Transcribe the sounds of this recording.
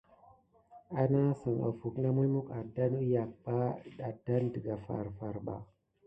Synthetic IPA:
a˦na˦sə˨ŋa̰˨fu˨kna˦mu˦mu˦ka˨da˦nu˦ja˨k̚ba˦da˨da˦ndə˨ɡa˨fa̰˨ɾfa˨ɾba̰˨

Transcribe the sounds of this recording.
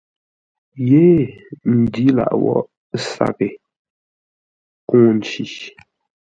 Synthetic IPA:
je˦n̩˨di˦la̰˨ʔwɔ̰˦ʔ | sa̰˦˨kɪ˨ | kũː˦n̩˨t͡ʃi˨

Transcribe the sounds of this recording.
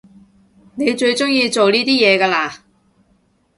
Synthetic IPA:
ne˨˧jt͡ʃɵ˧ɥt͡sʊ˥ŋjiː˧t͡so˨wniː˥t̪iː˥jɛː˨˧kaː˧laː˧

